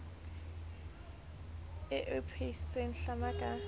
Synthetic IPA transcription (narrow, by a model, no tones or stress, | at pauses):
ɪʔʊpʰeissʼen̩ɬamakʼa